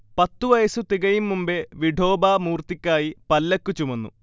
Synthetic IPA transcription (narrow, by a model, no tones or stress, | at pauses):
pɐt̪ːuʋɐjɐsut̪iɣɐjimːumbeʋiɖʱo̞ːbaːmuːrt̪ikʲːaːjipɐlːɐkːut͡ɕumɐnːṵ